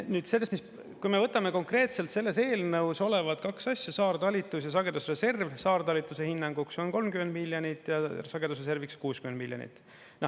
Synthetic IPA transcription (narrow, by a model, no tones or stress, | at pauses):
nyːd̪̥selːest̪mis | kujme̞vɤt̪ːˑɑme̞ko̞ŋkre̞ːt̪se̞lt̪se̞lːe̞se̞ːlnɤuwso̞le̞vɑt̪̚kɑksɑsʲjɑsɑːrt̪ɑlʲit̪ːˑusjɑsɑɡ̥e̞d̪usrese̞rvsɑːrt̪ɑlit̪ːˑuse̞hinːɑŋɡ̥ukso̞nko̞lmkymend̪milʲjonit̪ːˑjɑsɑɡed̪usrese̞rvikskuːskymend̪miljonḭt̪ːˑ | nɑ